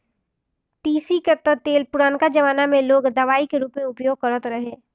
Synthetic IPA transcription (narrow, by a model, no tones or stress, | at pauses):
t̪iːsiket̪ːət̪eːlpʊɾaːnkad͡ʒɐʋaːnamẽloːɡd̪ɐʋaːikeɾuːpmẽʊpjoːɡ̚kɐɾət̪ɾɐɦeː